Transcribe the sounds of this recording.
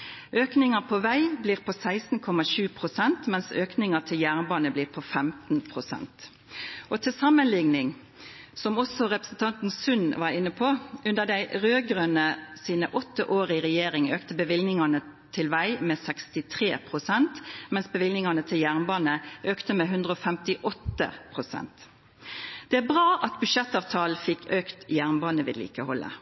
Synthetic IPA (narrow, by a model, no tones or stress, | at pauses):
ʔøːknɪŋɑpʰoʋæɪbliːʁpʰosæɪsn̩kʰɔmɑʃʉːpʰʁʊsɛnt̪mɛnsøːknɪŋət̪ʰɪljæːʁnbɑːnəbliːʁpʰofɛmt̪n̩pʰʁʊsɛ̰nt̪ | ʔot̪ʰɪlsɑmːənlɪŋnɪŋ | sɔmɔsɔʁɛpəsn̩t̪ʰɑnt̪n̩sʉnʋɑːʁɪnːəpʰoːʔʉnd̪əʁd̪æɪʁøːɡʁøːnəsiːnəʔɔt̪ːəʔoːʁəɪʁɛjeːʁɪŋøːkt̪əbəʋɪlnɪŋɑnət̪ʰɪlʋæɪmeːsɛkst̪ɪt̪ʰʁḛːpʰʁʊsɛnt̪mɛnsbəʋɪlnɪŋɑnət̪ʰɪljæʁnbɑːnəʔøːkt̪əmeːɦʉnd̪ʁəoːfɛmt̪ɪʔɔt̪ːə̰pʰʁʊsɛ̰nt̪ | d̪̥ɛæbʁɑːʔɑt̪bʉʃɛt̪ːɑːʋt̪ʰɑːlfɪkʰːøːkt̪jæʁnbɑːnəʋɪ̰d̪lḭːkəhɔlːə̰